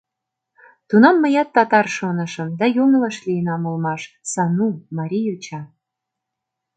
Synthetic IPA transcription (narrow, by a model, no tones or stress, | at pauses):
t̪unɑmːəjɑt̪ːɑt̪ɑrʃonə̆ʃə̆md̪ɑjonəlɑʃlijənɑmulmɑʃ | sɑnumɑɾʲijut͡ɕɑ